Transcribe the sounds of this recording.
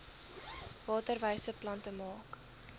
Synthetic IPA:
vɑːtərvəjsəplɐntəmɑːk

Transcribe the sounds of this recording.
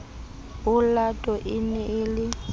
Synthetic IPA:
ʊlatʼɔʔɪnɛɪlɪ

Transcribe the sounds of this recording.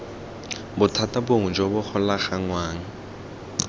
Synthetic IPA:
bʊtʰataboŋ̩d͡ʒobʊk͡xʰʊlaχaŋwaːŋ̩

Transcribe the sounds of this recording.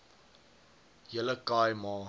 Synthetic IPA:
jələkajmɑː

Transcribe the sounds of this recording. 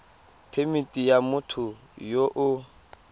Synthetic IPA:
pʰemitʼijamʊtʰʊ | joʔʊ

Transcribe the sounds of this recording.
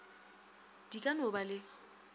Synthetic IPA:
d̥ikʼanʊbalɪ

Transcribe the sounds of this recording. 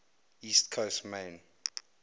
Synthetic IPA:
istkʰostmẽn

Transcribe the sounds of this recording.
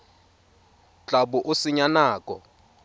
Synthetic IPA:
t͡ɬʼaɓuʔusiɲanaːkʼɔ̰

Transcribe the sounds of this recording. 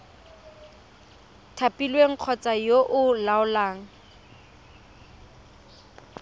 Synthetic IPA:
tʰapilweŋ̩q͡χʰɔt͡sajoʔʊlaʊlaːŋ̩

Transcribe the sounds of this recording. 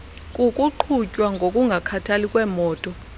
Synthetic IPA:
kʼukʼuǃʰucʼwaŋɡʱokʼuŋɡʱakʰatʰalikʼwɛːmɔːtʼɔ

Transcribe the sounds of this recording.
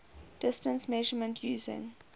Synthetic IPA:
d̥ɪstə̃nsmɛʒəmə̃ntʰjuːzɪ̰̃ŋ

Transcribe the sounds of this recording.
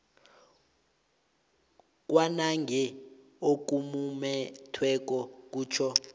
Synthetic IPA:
k̬ʼwanaŋɡʱɛ | ok̬umumɛtʰwɛk̬ʼɔk̬ʼuːt͡ʃʰɔ

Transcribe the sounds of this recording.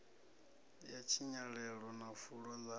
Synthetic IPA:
jat͡ʃʰiɲaɺɛɺɔnafuɺɔd͡za

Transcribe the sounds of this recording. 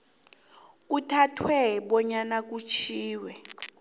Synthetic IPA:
utʰatʰwɛɓɔɲanak̬ut͡ʃʰiːwɛ

